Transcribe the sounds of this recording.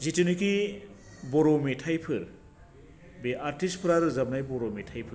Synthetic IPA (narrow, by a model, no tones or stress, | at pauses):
zitiniki | bɔɾɔmetʰajpʰɯɾ | beʔaɾtispʰɯɾaɾɯzab̚najbɔɾometʰajpʰɯɾ